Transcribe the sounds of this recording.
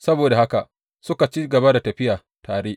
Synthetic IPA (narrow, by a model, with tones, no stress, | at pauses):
sɐ˦boː˨da˨ha˦ka˨ʔ | sʊ˦ka˨t͡ʃi˦ɡɐ˨ba˦da˨tɐ˨ɸɪ˦jaː˨ | tʰaː˨ɽeː˦ʔ